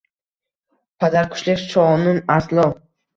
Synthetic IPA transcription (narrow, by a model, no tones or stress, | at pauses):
pʰad̪aɾkʰʊ̥ʃlɪkʲʃɒnʊnaslˠɔ